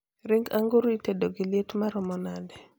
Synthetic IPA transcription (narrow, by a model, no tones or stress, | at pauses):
ɾɪŋɡaŋɡuɾitedoɡiletmaɾɔmɔnadɛ